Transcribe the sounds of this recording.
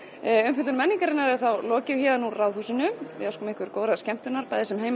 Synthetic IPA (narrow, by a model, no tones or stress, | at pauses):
ʏnfɪt̪ʏɾmɛnːiŋkaɾɪnːaɾɛθawlɔːcɪvçɛːðanːurawðuːsɪnʏmvɪ̰askʏmɪhkvɪɾkoːwðɾaðscɛm̥t̪ʏnaɾpajðɛsɛmɦeːjm